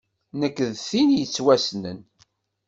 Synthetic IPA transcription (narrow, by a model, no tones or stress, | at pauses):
nəkːðθinjət͡sːwæsnə̰n